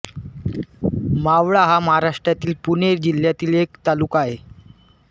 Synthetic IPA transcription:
maʋɭaɦaməɦaɾaʂʈɾat̪iːlpuneɾd͡ʑil̤jat̪iːlekt̪alukaɦe

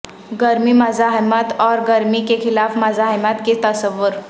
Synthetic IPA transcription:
ɡəɾmiməd͡zaɦajmat̪ɔɾɡəɾmikekʰilafməd͡zaɦajmat̪ket̪əsəʋəɾ

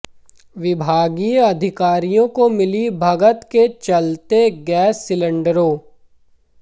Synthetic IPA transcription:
ʋɪbʱaːɡiɐd̪ʱɪkaːɾijõkomɪlibʱɐɡət̪ket͡ʃɐlt̪eɡɛːsːɪlə̃ɳɖəɾoː

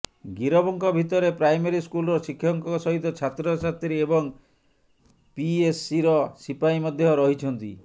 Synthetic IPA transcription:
ɡiɾɔbɔŋkʰɔbʱit̪ɔɾepɾajmeɾiskulɔɾɔsikʰːjɔŋkɔɔsɔɦit̪ɔt͡ʃʰat̪ɾɔsat̪ɾiebɔŋ | piesiɾɔsipaimɔd̪ʱjɔɾɔɦit͡ʃʰɔnt̪ḭ

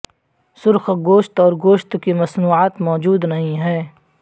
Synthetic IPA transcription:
sʊɾxɡoːʃt̪ɔːɾɡoːʃt̪kimɐsnuːaːt̪mɔːd͡ʒuːd̪nɐɦĩɦɛː

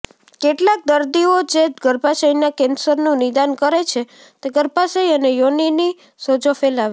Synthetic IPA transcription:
keʈlak̚d̪əɾd̪iod͡ʒeɡəɾpasəinakensəɾnũnɪd̪ankəɾet͡ʃʰe | t̪eɡəɾpasəjiənejonini | sod͡ʒofelaʋe

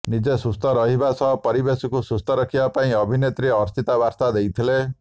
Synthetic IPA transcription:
nid͡ʒesust̪ɔɾɔɦibasɔɦpɔɾibesɔkusust̪ɔɾɔkʰibapaĩɔbʱinet̪ɾiɔːɾst̪it̪abaɾt̪ad̪ejt̪ʰile

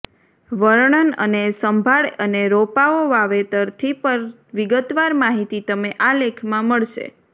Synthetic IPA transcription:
ʋəɾɳənə̰nesəmbʱaɭəneɾopaoʋaʋet̪əɾt̪ʰipəɾ | ʋiɡət̪ʋaɾmaɦit̪it̪əmeʔalekʰmãməɭʃḛ

